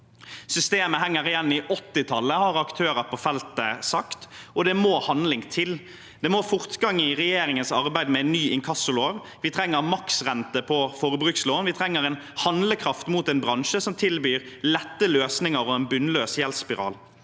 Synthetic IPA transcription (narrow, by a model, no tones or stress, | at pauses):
sʏst̪eːməɦæŋːəʁɪjɛnːɪʔɔt̪ːɪt̪ʰɑlːəhɑɾɑkt̪ʰøːɾəɾpʰɔfɛlt̪əsɑkt̪ɔd̪ɛmoːhɑnlɪŋt̪ʰɪl | d̪̥ɛmoːfʊʁt̪ɡɑŋːəɪʁɛjeːɾɪŋənsɑʁbæɪd̪mɛɛnːyːɪŋkʰɑsʊloːʋ | ʋɪt̪ʰɾɛŋːəʁmɑksʁɛnt̪əpʰɔfoːʁəbʁʉːksloːnʋɪt̪ʰɾɛŋːəɾɛn | hɑnləkʰɾɑft̪muːt̪ɛnbɾɑnʃəsɔmt̪ʰɪlbyːʁ | lɛt̪ːəløːsnɪŋəɾɔɛnbʉnløːsjɛlspɪʁɑ̰ːl